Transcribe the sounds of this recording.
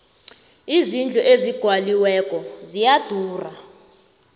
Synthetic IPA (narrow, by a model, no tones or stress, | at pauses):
izind͡ɮʱɔʔeziɡ̥ʱwaliwɛkʼɔzijad̥ʱuːra